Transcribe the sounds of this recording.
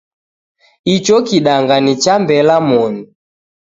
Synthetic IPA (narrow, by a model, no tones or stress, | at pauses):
it͡ʃɔkiɗaŋɡanit͡ʃambɛlamɔni